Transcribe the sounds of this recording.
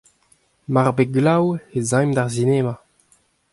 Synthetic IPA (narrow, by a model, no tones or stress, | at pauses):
maʁbeɡlawezãjmdaʁzineːma